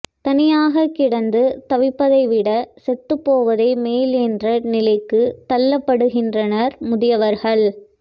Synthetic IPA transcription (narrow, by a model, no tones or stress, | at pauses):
t̪ɐnɪjaːɣɐkːɪɽɐnd̪ɯt̪ɐʋɪpːɐðɐɪʋɪɽɐsɛt̪ːɯpːoːʋɐðeːmeːlɛndrɐnɪlɐɪkːɯt̪ɐlːɐpːɐɽɯɣɪndrɐnɐɾmʊðɪjɐʋɐɾɣɐɭ